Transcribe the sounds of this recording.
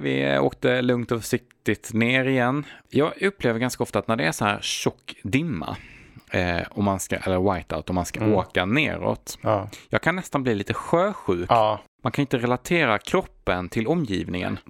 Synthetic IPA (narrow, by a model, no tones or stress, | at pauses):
vɪ̰o̰ːkt̪əlɵŋt̪ɔfʂɪk̚t̪ɪt̪neːɾɪjɛnːjɑːɡɵpːleːvəɾɡanskaɔft̪at̪næɖɛæʂɔnhæːɾɕɔkːd̪ɪmːa̰ | ɔmːanska̰ʔɛ̰lːəɾwajt̪a̰ʊt̪ɔmanskaoːkanḛːɾɔ̰t̪jɑːɡ̚kʰanːɛst̪anbliːliːt̪əɧøːɧʉ̟ːkːmankʰanɪnt̪əɾɛlat̪ʰeːɾakʰɾɔpːənt̪ʰɪlɔmːjḭːvnɪŋə̰n